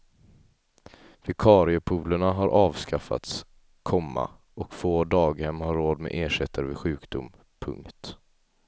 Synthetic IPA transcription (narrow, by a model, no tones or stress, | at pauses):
vɪkʰɑːɾɪəpʰuːləɳaɦaɾʔɑːvskafa̰t̪s | kʰɔmːa̰ | ɔkfoːd̪ɑːɡhɛmːhaɾːoːd̪mɛ̰ːʔeːʂɛt̪ʰːəɾvɪɧʉ̟ːkd̪ʊm | pʰɵ̰ŋkt̪